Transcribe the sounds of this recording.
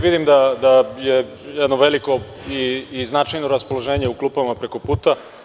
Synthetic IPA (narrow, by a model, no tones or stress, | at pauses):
ʋid̪imd̪ad̪aje | jɛd̪noʋe̞liko̞ | iːznat͡ʃajnoɾaspolˠoʒe̞ːɲe̞uklˠuːpamapɾeko̞puːt̪a